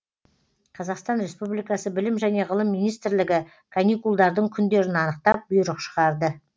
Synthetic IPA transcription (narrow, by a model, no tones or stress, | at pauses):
qʰɑzɑqst̪ɑnɾe̞spublˠijkɑsəbɪlɪmʒæne̞ʁəlˠəmːijnijst̪ɪɾlɪɡʲɪ | kʰanijkulˠd̪ɑɾd̪əɴkʲʰʏnd̪e̞ɾɪnɑnəq̚t̪ɑp̚bʊjɾəqʃə̥ʁɑɾd̪ə